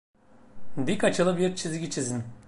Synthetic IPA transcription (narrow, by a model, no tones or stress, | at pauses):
d̪ikat͡ʃʰɯlˠɯbiɾt͡ʃʰizɡʲit͡ʃʰizin